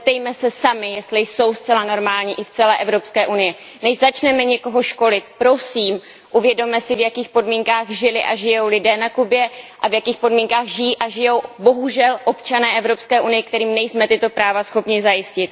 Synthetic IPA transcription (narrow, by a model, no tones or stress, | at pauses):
t̪ɛjmɛsɛsamɪjɛst̪lɪjso̞wst͡sɛlano̞ɾmaːlɲiʔɪft͡sɛlɛːʔɛvɾo̞pskɛːʔunɪjɛ | nɛʒzat͡ʃnɛmɛɲɛko̞ɦo̞ʃko̞lɪt̪pɾo̞siːm | ʔuvjɛdo̞mɛsɪvjakiːxpo̞dmiːŋkaːɣʒɪlɪʔaʒɪjo̞wlɪdɛːnakubjɛʔavjakiːxpodmiːŋkaːɣʒɪjiːʔaʒɪjo̞wbo̞ɦuʒɛlʔo̞pt͡ʃanɛːʔɛvɾo̞pskɛːʔunɪjɛkt̪ɛɾiːmnɛjsmɛt̪ɪt̪o̞pɾaːvasxo̞pɲɪzajɪscɪt̪̚